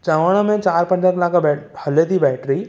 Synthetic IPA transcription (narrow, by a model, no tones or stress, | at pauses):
t͡ɕəʋəɽ̃ə̆mẽt͡ɕaːɾpɐ̃nd̪əɾlaːkbɛhɐlet̪ʰibɛːʈɾi